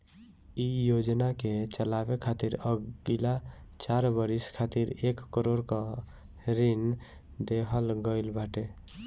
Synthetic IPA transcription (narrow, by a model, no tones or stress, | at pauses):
ijod͡ʒnaket͡ʃəlabekʰat̪iɾəɡilat͡ʃaɾbəɾiskʰat̪iɾekːəɾoɾkɔ | ɾin | d̪eɦəlɡəɪlbaʈe